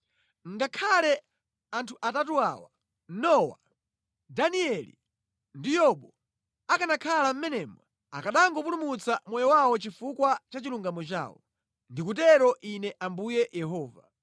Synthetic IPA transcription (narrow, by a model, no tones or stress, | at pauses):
ŋɡakʰalɛ | antʰuʔatatuawa | nɔwa̰ | daniɛlḭ | ndijɔɓɔ | akanakʰalam̩mɛnɛmwɛ | akaɗaŋɡɔp̬ulumut͡samwɔjɔwawɔt͡ʃifukwat͡ʃat͡ʃiluŋɡamɔt͡ʃa̰ːwɔ̰ | ndikut̬ɛɾɔʔinɛʔambujɛjɛɦɔːva̰